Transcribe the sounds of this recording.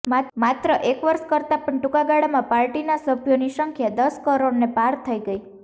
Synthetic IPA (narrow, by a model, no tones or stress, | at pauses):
mamat̪ɾəʔekʋəɾskəɾt̪apəɳʈukaɡaɽamãpaɾʈinasəbʱjoniʃəŋkʰjad̪əskəɾoɽnepaɾt̪ʰəiɡəi